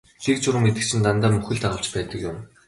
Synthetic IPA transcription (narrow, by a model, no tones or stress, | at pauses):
ɮikt͡ɕʰʊɾə̆ŋmet̪ɘ̆k̚t͡ɕʰɪ̆nt̪ant̪aːmɵxɘ̆ɮt̪aʁə̆ɮt͡ɕpæːt̪ə̆kjʊm